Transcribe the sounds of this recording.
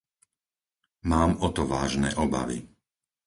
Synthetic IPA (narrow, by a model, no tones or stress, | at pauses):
maːmɔt̪ɔʋaːʒnɛ̰ːʔɔba̰ʋḭ